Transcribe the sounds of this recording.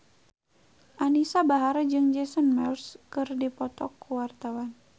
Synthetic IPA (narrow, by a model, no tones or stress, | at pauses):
ʔanisabaɦaɾad͡ʒɨŋd͡ʒɛsɔnmɛlskɨrdipɔt̪ɔkːuwart̪awan